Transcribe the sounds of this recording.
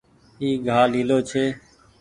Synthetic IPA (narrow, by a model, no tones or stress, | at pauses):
iːɡʱaːliːloːt͡ʃʰeː